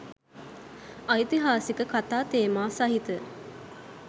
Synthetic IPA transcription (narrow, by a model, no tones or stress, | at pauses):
ɐjt̪iɦaːsikəkat̪aːt̪eːmaːsaɦit̪ə